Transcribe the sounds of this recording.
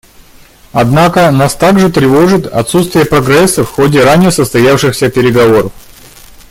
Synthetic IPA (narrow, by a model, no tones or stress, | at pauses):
ɐd̪nakənast̪aɡʐɨt̪ɾʲɪvo̞ʐɨt̪ɐ̰t̪sut̪st̪vʲɪjəpɾɐɡɾɛsːəfxo̞dʲɪɾanʲɪjəsəst̪ɐjafʂɨxsʲəpʲɪɾʲɪɡɐvo̞ɾəf